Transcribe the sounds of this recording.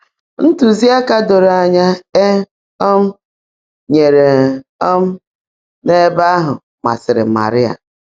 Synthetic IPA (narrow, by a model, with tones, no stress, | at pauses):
n̩˦tu˨zi˦a˦ka˦do˨ɾa˨ɲa˦e˦ | ɔ˦m̩˦ | ɲe˨ɾe˨ɔ˦m̩˦ | ne˦ba˦a˦ɦʊ̰˨ | ma̰˨sɪ˨ɾɪ̰˨ma̰˨ɾɪ˦a̰˨